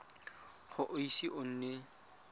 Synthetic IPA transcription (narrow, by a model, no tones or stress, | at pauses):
χʊʔʊisiʔʊn̩ːne